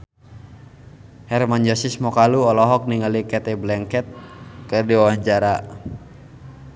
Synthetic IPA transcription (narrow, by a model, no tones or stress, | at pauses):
hɛrmand͡ʒɔsismɔkaluɔlɔɦɔk̚niŋalikɛt̪ɛblɛŋkɛt̪̚kɨrdiwawaɲd͡ʒaɾa